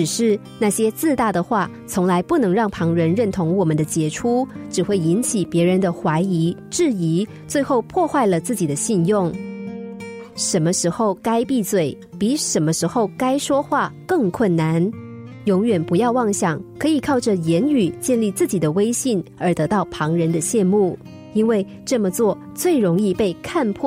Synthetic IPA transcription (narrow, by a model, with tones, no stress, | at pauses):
ʈ͡ʂɻ̩˨˩ʂɻ̩˥˧ | na˥˩ɕjɛ˥t͡sɹ̩˥˧t̪a˥˩d̪ə˩xwa˥˩ | t͡sʰʊ˧˥ŋla˧˥ɪpu˥˩nɤ˧˥ŋɻɑ˥˩ŋpʰɑ˧˥ŋɻə˧˥nɻə˥˩nt̪ʰʊ˧˥ŋwɔ˨˩mə˨˦nd̪ə˦t͡ɕjɛ˧˥ʈ͡ʂʰu˥ʈ͡ʂɻ̩˨˩xwe˥˩ɪi˧˥nt͡ɕʰi˨˩pjɛ˧˥ɻə˧˥nd̪ə˧xwa˧˥ɪi˧˥ʈ͡ʂɻ̩˥˩i˧˥ | t͡swe˥˧ɪxo˥˧ʊpʰwɔ˥˧xwa˥˩ɪlə˩t͡sɹ̩˥˩t͡ɕi˨˩d̪ə˦ɕi˥˧njʊ˥˩ŋ | ʂə˧˥nmə˧ʂɻ̩˧˥xo˥˧ʊka˥ɪpi˥˧t͡swe˥˩ɪ | pi˧˥ʂə˧˥nmə˧ʂɻ̩˧˥xo˥˧ʊka˥ɪʂwɔ˥xwa˥˩kɤ˥˧ŋkʰwə˥˩nna˧˥n | jʊ˧˥ŋɥɛ˨˩npu˧˥jɑ˥˧ʊwɑ˥˧ŋɕjɑ˨˩ŋkʰɤ˧˥i˨˩kʰɑ˥˩ʊʈ͡ʂə˨˩jɛ˧˥ny˨˩t͡ɕjɛ˥˧nli˥˧t͡sɹ̩˥˩t͡ɕi˨˩d̪ə˦we˥ɪɕi˥˩nə˞˧˥t̪ɤ˧˥t̪ɑ˥˩ʊpʰɑ˧˥ŋɻə˧˥nd̪ə˧ɕjɛ˥˧nmu˥˩ | i˥nwe˥˧ɪ | ʈ͡ʂɤ˥˩mə˩t͡swɔ˥˧ | t͡swe˥˩ɪɻʊ˧˥ŋi˥˧pe˥˧ɪkʰa˥˧npʰwɔ˥˩